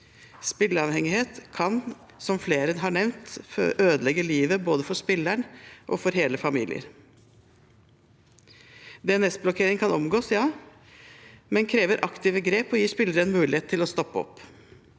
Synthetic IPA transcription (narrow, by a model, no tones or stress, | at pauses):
spɪlːəɾɑʋhɛŋɪheːt̪kʰɑn | sɔmfleːɾənəɦɑɳɛʋnt̪ʔøːd̪əlɛɡəliːʋəboːd̪əfɔʂpɪlːæɳʔɔ̰fɔɾɦeːləfɑmḭːlɪə̰ɾ | d̪ɛɛnɛsblɔkʰeːɾɪŋkʰɑnɔmɡoːsjɑː | mɛnkʰɾeːʋəɾʔɑkt̪ɪːʋəɡɾeːpɔjiːʂpɪlːəɾənmʉːlɪheːt̪ʰːɪlɔst̪ɔpːəɔ̰pː